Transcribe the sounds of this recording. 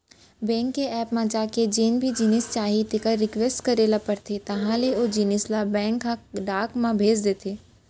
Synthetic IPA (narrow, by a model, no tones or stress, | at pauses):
bɛ̃ːŋkːeɛːpmãd͡ʒaːked͡ʒeːnbʱid͡ʒinist͡ʃaːɦit̪ekaɾɪkʋesʈkɐɾeːlapɐɾt̪ʰet̪ɐɦãleod͡ʒinɪslabɛ̃ːŋkːãɖaːkmãbʱeːd͡ʒd̪eːt̪ʰeː